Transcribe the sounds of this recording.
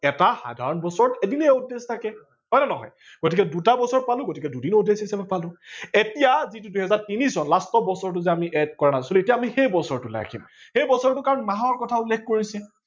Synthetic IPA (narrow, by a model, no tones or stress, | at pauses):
ɛtaxa̰dʱa̰ɹɔnbɔsɔɹtedineudːestʰakɛ | ɦɔjnɛnɔɦɔ̰j | ɡ̥otik̬ɛdutabɔsɔɹɔt̚palʊ̃ɡotikɛdudinudesisɛbɛpalʊ̃etijazituduhɛzaɹtinisɔnlastɔbɔsɔɹt̬ʊzɛamiʔɛd̚kɔɹanasɔluetijaːmixejbɔsɔɹtula̰kʰḭmxejbɔsɔɹtʊkaɹɔnmaɦɔɹkɔtʰaulːek̚ʰkoɹisɛ